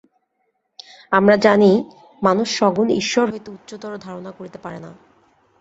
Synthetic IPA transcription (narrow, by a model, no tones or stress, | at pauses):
amɾad͡ʑani | manuʃʃɔɡunḭʃːoɾɦojt̪eutːɕot̪ɔɾod̪ʱaɾonakoɾit̪epaɾena